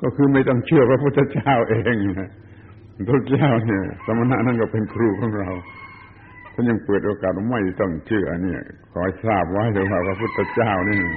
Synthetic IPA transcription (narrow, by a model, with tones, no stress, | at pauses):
kɔː˧˩kʰɯː˧ma˥˩jt̪ɔ˥˩ŋt͡ɕʰɯ˥˩ɐpʰɾa˧pʰu˥˩t̪ʰːa˧˦t͡ɕaː˥˩wʔeː˧ŋ˧a˧˩ | a˧˩pʰa˧pːt̪ʰa˧t͡ɕaː˥˩wni˧˩ɐsa˧mːa˧na˧˥ʔna˧˥˨nkɔ˧˩pe˧nkʰɾuː˧˩kʰɔː˨˦ŋɾa˧w | t̪ʰːɲa˧˩ŋpɤː˨˩t̪̚ʔoː˧kaː˨˩t̪̚o˧˩ma˧˩jt̪ɔ˧˩ŋt͡ɕʰɯ˧˩ɐʔni˧˩ɐkʰɔː˨˦jsaː˧˩p̚wa˦˥jt̪ʰɛː˧˥waː˧˩pʰɾa˧pʰu˧˥˩t̪ʰːa˧t͡ɕaː˥˩wni˥˩˨